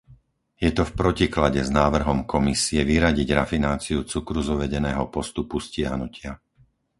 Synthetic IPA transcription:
jɛt̪ɔfpɾɔciklaɟɛznaːʋr̩ɦɔmkʰɔmisiɛʋiɾaɟiɟɾafinaːt͡siut͡sukɾuzuʋɛɟɛnɛːɦɔpɔst̪upuscɪaɦnucɪa

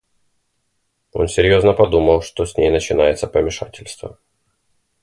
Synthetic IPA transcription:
o̞̰nsʲɪɾʲjo̞znəpɐd̪uməlˠʂt̪osʲnʲejnət͡ɕɪnajɪt̪səpəmʲɪʂatʲɪlʲst̪və̰

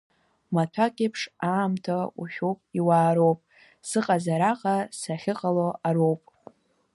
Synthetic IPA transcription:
matʷʰakʲʼepʰʂaːmtʰaṵʃʲᶣowpʼiwaːɾo̞wpʼ | sɨqʼazaɾaqʼasaχʲɪqʼaloaɾowpʼ

